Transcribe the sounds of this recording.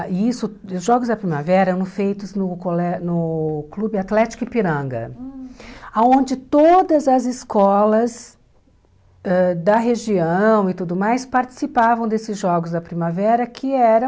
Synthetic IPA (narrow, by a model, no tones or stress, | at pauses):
isʊʊzʒɔɡʊzd̪ɐpɾimavɛɛɾɐɐñʊfejt̪ʊznʊkolɛnʊklubɪat̪lɛt͡ʃi̥kʊɪpiɾɐ̃ɡɐ̰ | aõnd͡ʒɪt̪od̪ɐzɐzɪskɔlɐs | ɛd̪ɐɦeʒiɐ̃w̃ɪt̪ud̪ʊmajspaɾt͡ʃi̥sipavɐ̃w̃d̪esɪzʒɔɡʊzd̪ɐpɾimavɛɾɐkʰɪɛɾɐ̃